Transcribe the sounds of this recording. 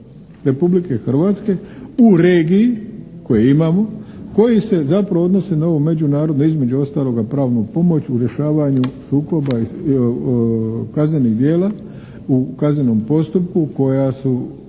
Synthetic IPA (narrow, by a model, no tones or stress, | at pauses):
ɾe̞publike̞xr̩ʋaːt̪ske̞uɾeːɡiiko̞jeimaːmo̞ko̞jise̞zapɾaʋoo̞d̪no̞se̞nao̞ʋome̞d͡ʑunaːɾo̞d̪noizme̞d͡ʑuo̞st̪aːlˠo̞ɡapɾaːʋnopo̞mo̞t͡ɕuɾje̞ʃaːʋaɲusuːko̞bai | kazɲe̞niɣd̪jeːla | ukazɲeno̞mpo̞st̪up̚kuko̞jasu